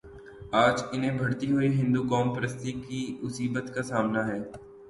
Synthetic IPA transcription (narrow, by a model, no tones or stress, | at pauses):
aːd͡ʒɪnẽbʱɐɽt̪iɦʊiɦɪ̃nd̪ukɔːmpɾəst̪ikimʊsiːbət̪kasaːmnaɦɛː